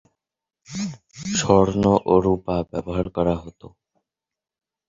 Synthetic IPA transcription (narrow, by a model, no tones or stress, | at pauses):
ʃɔɾnoʔoɾupabɛboɦaɾkɔɾaɦot̪o